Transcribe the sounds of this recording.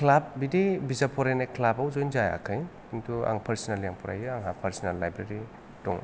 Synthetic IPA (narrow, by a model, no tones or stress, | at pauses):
kʰlap̚bidebizapʰɔɾejnajkʰlabawzojnzaja̰kʰɯj | iŋtʰua̰ŋpʰaɾsinaljaŋpʰɔɾa̰jɯaŋɦapʰaɾsinalːajbɾeɾi | tɔ̰ŋ